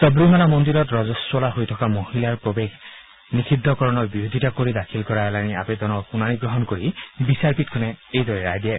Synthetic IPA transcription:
sɔbɹimanamɔnd̪iɾɔtɹɔzɔswɔlaɦojtʰɔkamohilaɹpɹobek | nikʰid̪ʱːɔkɔɹɔnɔɹbiɹod̪ʱitakoɹid̪akʰilkɔɹalania̰pɛd̪ɔnɔkunaniɡɹɔɦɔnkoɹibisaɹpit̚kʰɔnɛejd̪ɔɹɛɹajd̪ijɛ

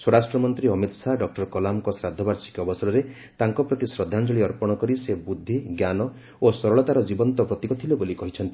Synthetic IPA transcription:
swɔɾasʈɾɔmɔnt̪ɾiɔmit̪saɖɔk̚ʈɔɾɔkɔlamkɔsɾad̪ʱːɔbaɾsi̥kɔbɔsɔɾɔɾe | t̪aŋkɔpɾɔt̪isɾɔd̪ʱːand͡ʒɔɭiɔɾpɔɽ̃ɔkɔɾisebud̪ʱːiɡjanɔ | osɔɾɔɭɔt̪aɾɔd͡ʒibɔnt̪ɔpɾɔt̪ikɔt̪ʰilobolikɔɦit͡ʃʰɔnt̪i

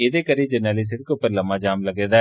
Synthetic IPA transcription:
ed̪ekəɾid͡ʒɐɾnaːlis̬ɪd̪̚kopəɾlɐmad͡ʒaːmlɐɡeːd̪a

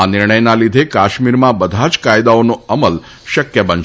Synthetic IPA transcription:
anɪɾɳəjnalid̪ʱekaʃmiɾmãbəd̪ʱat͡ʃkajd̪aonoəməl | ʃəkjəbən

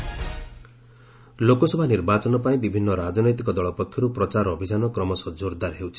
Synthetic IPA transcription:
lokɔsɔbʱaniɾbat͡ʃɔnɔpaĩbibʱinːɔɾad͡ʒɔnɔjt̪ikɔd̪ɔɭɔpɔkʰjɔɾupɾɔt͡ʃaɾɔbʱid͡ʒanɔkɾɔmɔsɔd͡ʒoɾd̪aɾɦewt͡ʃʰi̥

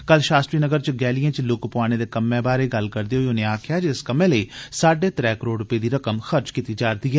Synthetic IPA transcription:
kəlʃaːstʈɾiːnəɡəɾt͡ʃɡɛːlijãːt͡ʃlʊkpʊaːɽ̃eːd̪eːkəmːẽːbaːɾeːɡəlkəɾd̪eːɦoiʊneːaːkʰɪjaːd͡ʒskəmẽːləiːsaːɖeːt̪ɾɛːkəɾoːɽɾʊpeːd̪iːɾəkəmxəɾt͡ʃkiːt̪iːd͡ʒaːɾd̪iːɦɛː

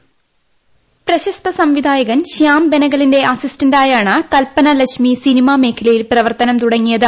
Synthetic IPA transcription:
prɐɕɐst̪ɐsɐmʋid̪ʱaːjɐɣɐnɕaːmbenɐɣɐlinde̞ʔɐsistɐndaːjaːɳɨkɐlpɐnɐlɐkʂmisinimaːme̞ːkʰːɐlɐjilprɐʋɐrt̪ɐnɐmt̪uɽɐŋːijɐðɨ

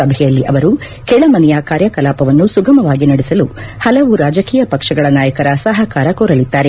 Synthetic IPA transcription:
ɐbʱɛjɐlːiʔɐʋɐɾu | kɛɭɐmɐnɛjakaːɾjɐkɐlaːpɐʋɐnːusuɡɐmɐʋaːɡinɐɽisɐluhɐlɐʋuɾaːd͡ʒɐkiːjɐpɐkʂɐɡɐɭɐnaːjɐkɐɾɐsɐɦɐkaːɾɐkoːɾɐlid̪ːaːɾe

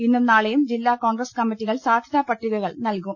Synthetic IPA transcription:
inːumnaːɭejumd͡ʑilːaːkoːŋɡɾɐskɐmːitːiɣɐɭsaːd̪ʱjɐðaːpɐʈːiðɐɣɐɭnɐlkum

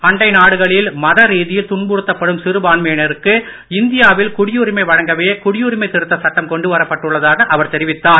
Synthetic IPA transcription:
ɐɳɖɐɪnaːɽɯɣɐɭɪlmɐðɐɾiːðɪjɪlt̪ʊɳbʊɽɯt̪ːɐpːɐɽɯmsɪɾɯbaːɳmɐenɪɾɯkːɯ | ɪnd̪ɪjaːʋɪlkʊɽɪjuːɾɪmɐɪʋɐɻɐŋɡɐʋeːkʊɽɪjuːɾɪmɐɪt̪ɪɾɯt̪ːɐsɐʈːɐmkɔɳɖɯʋɐɾɐpːɐʈːɯɭːɐðaːɣɐʔɐʋɐɾt̪ɛɾɪʋɪt̪ːaːɾ

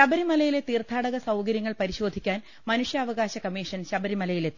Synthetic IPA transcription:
ɕɐbɐɾimɐlɐjile̞t̪iːrt̪ʰaːɽɐɣɐsɐwkɐɾjɐŋːɐɭpɐɾiɕo̞ːd̪ʱikʲːaːn | mɐnuʂjɐːʋɐɣaːɕɐkɐmiːʂɐnɕɐbɐɾimɐlɐjilet̪

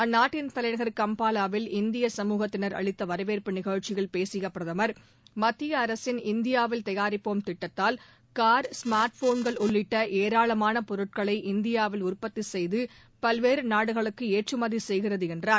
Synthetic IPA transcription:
ɐnːaːʈːɪnt̪ɐlɐɪɳɐɣɐɾkɐmpaːlaːʋɪlɪnd̪ɪjɐsɐmuːɣɐt̪ːɪnɐɾɐ̰ɭɪt̪ːɐʋɐɾɐʋeːɾpɯnɪɣɐːɻt͡ʃːɪɣɐɭpeːsɪjɐpɪɾɐðɐmɐɾ | mɐt̪ːɪjɐɐɾɐsɪnɪnd̪ɪjaːʋɪlt̪ɐjaːɾɪpːoːmt̪ɪʈːɐt̪ːaːl | kaːɾsmaːɾʈfoːnɡɐɭʊɭːɪʈːɐʔeːɾaːɭɐmaːnɐpɔɾɯʈ̚kɐɭɐɪʔɪnd̪ɪjaːʋɪlʊrpɐt̪ːisɛjðɯ | pɐlʋeːɾɯnaːɽɯɣɐɭɯkːɯeːʈrɯmɐðisɛjɣɪrɐðɯɛndraːɾ

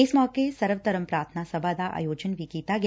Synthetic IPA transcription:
ɪsmɔːkesɐɾʋət̪əɾəmpɾaːɾt̪ʰənasɐbʱad̪aʔa̰ːjoːd͡ʒənbʱikiːt̪aɡ

